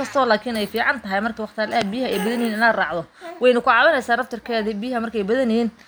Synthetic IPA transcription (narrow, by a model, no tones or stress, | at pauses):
kʰɐst̪ʰɔːlaːkʰiːnɛjfiːʕɑnt̪ʰɐɦɐjmɐrkʰɐwɑχt̪ʰɪalːɐbɪjɪɦɐʔɛjbɐðɐnjiːnɪnaːd̪rɑːʕðɔwɛjnʊkʰʊʕɑβɐnɛjsaːnɐft̪ʰɐrkʰɛːðibijɦɐmɐrkʰɛjbɐðɐnɪjiːn